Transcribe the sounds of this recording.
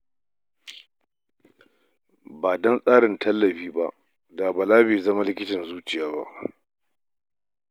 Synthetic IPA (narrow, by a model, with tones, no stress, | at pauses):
baː˨dɔ˦nsʼaː˦ɽɪ˨ntʰɐ˦lːɐ˨ɸiː˦ba˦ʔ | da˨ba˨laː˦beː˨zɐ˦ma˦lɪ˦kʲɪ˦tɐ˨nzuː˦t͡ʃɪ˨jaː˦ba̰˦ʔ